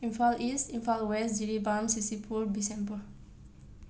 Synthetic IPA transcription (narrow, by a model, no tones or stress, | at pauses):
ĩnfalʔistĩnfalwɛsdiɹibãmsisipʰuɾdisɛ̃mbə